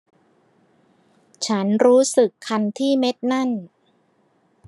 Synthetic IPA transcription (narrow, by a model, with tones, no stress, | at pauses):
t͡ɕʰa˦˥nɾuː˦˥sɯ˨˩kʰːa˧nt̪ʰiː˥˩me˦˥t̪̚na˥˩n